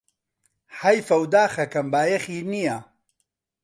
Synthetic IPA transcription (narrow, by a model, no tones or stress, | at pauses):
hɐjfɐwd̪aːxɐkɐmbaːjɐxiːnija